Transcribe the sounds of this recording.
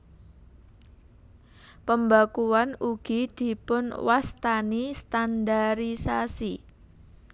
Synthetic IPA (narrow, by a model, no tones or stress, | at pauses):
pəmbakuanuɡ̥i̤d̪̥i̤pʊnwast̪anist̪andaɾisasi